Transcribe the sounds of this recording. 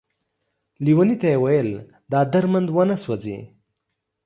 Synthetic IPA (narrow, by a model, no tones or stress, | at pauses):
liwanit̪ajewajəl | d̪ɑːd̪aɾmand̪wanaswad͡zḭ